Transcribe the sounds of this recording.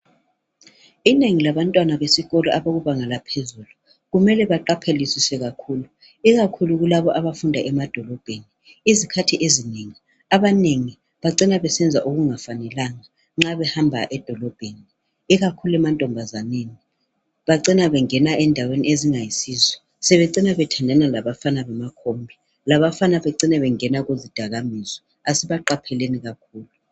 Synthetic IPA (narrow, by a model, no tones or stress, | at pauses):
ineŋilaβantʼwanaβesiɣɔlɔʔaβoɣuβaŋalapʰezuːlu | ɣumɛlɛβaǃapʰelisisɛɣakʰuːlu | iɣakʰuluɣulaβɔʔaβafundʱaʔɛmad̥ʱɔlɔb̥ʱeni | izikʰatʰiʔezineŋi | aβaneŋi | βaǀinaβɛsɛnd͡zʱaʔuɣuŋafanɛlaŋa | ŋ͡ǁaβɛhambʱa̰ʔɛd̥ʱɔlɔb̥ʱeni | iɣakʰuluɛmantʼɔmbʱazaneːni | βaǀinaβɛŋɛnaɛndʱawenieziŋajisiːzwɛ | sɛβɛǀinaβɛtʰandʱanalaβafanaβamakʰombʱi | laβafanaβɛǀinaβɛŋɛnaɣuzid̥ʱaɣamizɔ | asiβaǃapʰɛleniɣakʰuːlu